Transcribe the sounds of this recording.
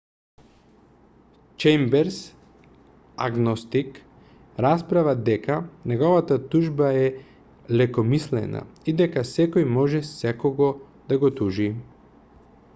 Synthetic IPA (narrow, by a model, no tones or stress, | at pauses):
t͡ʃɛmbɛɾs | a̰ɡnɔst̪ik | ɾaspɾavad̪ɛkanɛɡɔvat̪at̪uʒbaɛ | lɛkɔmislɛ̰na̰id̪ɛkasɛkɔjmɔʒɛsɛkɔɡɔ | d̪aɡɔt̪uʒi